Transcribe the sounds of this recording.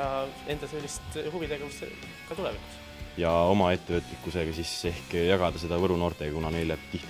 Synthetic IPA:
ɑe̞nd̪ɑselʲːist̪huvid̪̥eɡ̥ɑkussḛ | kɑt̪uleviku̥s | jɑo̞mɑe̞t̪ːevɤt̪ːˑlikːˑuse̞ɡ̥ɑsise̞hkjɑɡ̥ɑd̪̥ɑse̞d̪ɑvɤɾuno̞ːrt̪e̞ɡɑkunɑne̞jlet̪iht̪

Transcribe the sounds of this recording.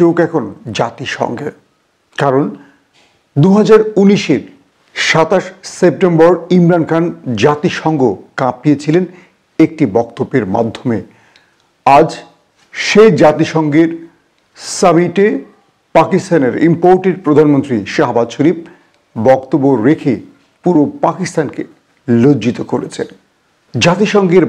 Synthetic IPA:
owkɛkʰond͡ʑat̪iʃɔ̰ŋɡe | kaɾon | d̪uɦad͡ʑaɾuniʃeɾ | ʃat̪aʃsep̚ʈembɔɾimɾankʰand͡ʑat̪iʃɔŋɡokãp̚ːijet͡ɕʰilen | ek̚ʈibɔkt̪obːeɾma̰d̪ʱːome | ad͡ʑ | ʃejd͡ʑat̪iʃɔŋɡeɾ | samiʈe | pakist̪aneɾimpoɾʈeɖ̚pɾod̪ʱanmont̪ɾiʃaɦbad̪ʃoɾip̚ | bɔkt̪obːoɾekʰe | puɾopakist̪anke | lod͡ʑit̪okoɾet͡ɕʰḛn | d͡ʑat̪iʃɔŋɡeɾ

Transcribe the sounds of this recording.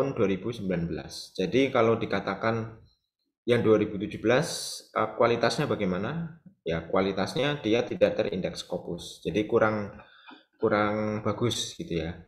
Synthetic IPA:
ʊnduaɾib̥usəmbilanbəla̰sd͡ʒ̥adikalodikat̪akan | jaŋduaɾibut̪ud͡ʒubəlasʔəkwalit̪asɲabaɡejmanajakuwalit̪asɲadijat̪idaʔd̪ərḭndɛkskopʊsd͡ʒ̥adikuɾaŋ | kuɾaŋb̥aɡʊsɡ̥it̪uja

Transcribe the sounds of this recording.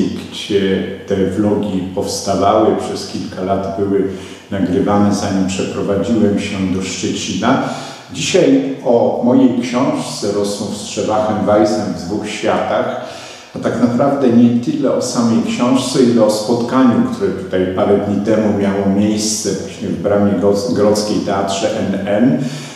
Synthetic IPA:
ɡd͡ʑɛt̪ɛvlɔɡʲipɔfst̪avawɘpʂɛskʲilkalad̪bɘwɘ | naɡɾɘvanɛzaɲimpʂɛpɾɔvad͡ʑiwɛmɕɛd̪ɔʂt͡ʂɛt͡ɕina | d͡ʑiɕajɔmɔjejkɕɔ̃w̃ʂt̪sɛɾɔswɔ̃w̃fstʂɛvaxɛmvajsnɛvd̪vuxɕfʲjat̪ax | at̪aknapɾavd̪ɛɲɛt̪ɘlɛɔsamɛjkɕɔ̃w̃ʂt̪sɛilɛɔspɔt̪kaɲukt̪ʰuɾɛt̪u̥t̪ajpaɾɛd̪ɲit̪ɛmumʲjawɔmʲjejst̪sɛvwaɕɲɛvbɾamʲjɛɔɡɾɔt̪skʲejt̪ɛatʂɛʔɛnɛl

